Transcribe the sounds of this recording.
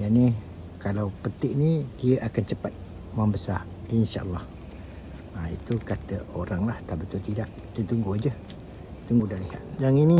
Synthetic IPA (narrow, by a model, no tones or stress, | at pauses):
jani | kalawpət̪ɪʔ̚nidiəʔakant͡ʃəpat̪̚ | mambəsa | inʃa̰ʔə̰lːɑh | ait̪ukat̪əoɾaŋlaht̪abət̪ʊlt̪idaʔ | t̪ət̪uŋɡʊhd͡ʒə | t̪uŋɡudahliha̰t̪̚d͡ʒaŋini